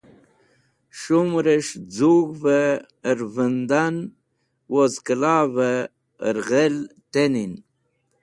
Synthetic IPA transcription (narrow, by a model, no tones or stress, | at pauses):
ʂumɾəʂd͡zuɣvə | ɾvənd̪an | wozkəlavə | ɾʁelt̪enin